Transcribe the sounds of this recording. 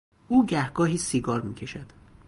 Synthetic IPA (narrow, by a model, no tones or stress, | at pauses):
ʔuːɟæhɡɒːɦiːsiːɡɒːɾmḭːcʰe̞ʃæd̪̥